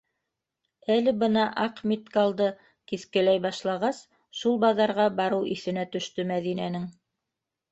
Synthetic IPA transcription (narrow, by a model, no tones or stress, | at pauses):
ælɘbɤnɑʔɑqmʲit̪kɑlˠd̪ɤ | kiθkɘ̆læjbɑʃlˠɑʁɑs | ʃulˠbɑðɑɾʁɑbɑɾɤwʔiθɘ̆næt̪ɵ̆ʃt̪ɵmæðinænɘŋ